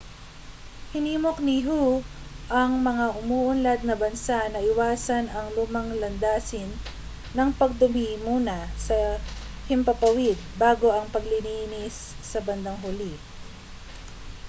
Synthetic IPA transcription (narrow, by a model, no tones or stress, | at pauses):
hɪniːmok̚niɦu | ʔɐŋmɐŋaʔʊmuːʔʊnlad̪̚nɐbɐnsaʔnɐʔɪwaːsɐnɐŋlʊmɐŋlɐnd̪aːsɪnː | ɐŋpɐɡ̚d̪ʊmimuːnɐsɐ | hɪmpɐpɐwɪd̪̚baːɡoʔɐŋpɐɡlɪniːnɪsː | ɐbɐnd̪aŋɦʊli